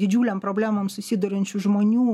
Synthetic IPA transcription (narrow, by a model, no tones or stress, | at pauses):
d̪ʲɪd͡ʒʲuːlʲɛmpɾoːbʲlʲæːmoːmsʊsʲɪd̪ʊɾʲɪnʲt͡ʃʲʊʒmoːnʲuː